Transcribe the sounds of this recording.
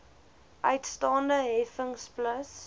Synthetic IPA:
ʔœɥtstɑːndəɦɛfəŋspləs

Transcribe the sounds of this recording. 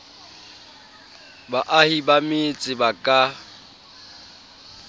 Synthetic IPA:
baʔahibamɪt͡sʼɪbakʼa

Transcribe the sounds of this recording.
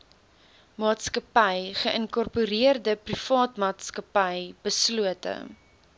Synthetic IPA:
mɑːtskəpɛjχəʔənkɔrpuɾiərdəprifɑːtmɑːtskəpɐjbəsluətə̰

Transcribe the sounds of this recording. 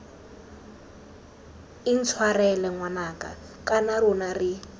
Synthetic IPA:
in̩t͡sʰwarɛlɛŋwanaka̰ | kanarunari

